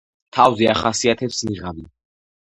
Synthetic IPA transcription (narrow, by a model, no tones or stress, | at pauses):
t̪ʰavzɛaχasiat̪ʰɛpsniʁavi